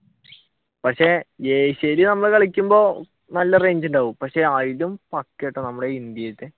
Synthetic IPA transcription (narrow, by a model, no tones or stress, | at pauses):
pɐkʂejeːɕɐjilinɐmːɐɭkɐɭikʲːumbo̞ː | nɐlːɐre̞ːɲd͡ʑundaːʋumpɐkʂe̞ɐɻilumpɐkːeʈːɨnɐmːuɽeind̪jɐjɐt̪ːe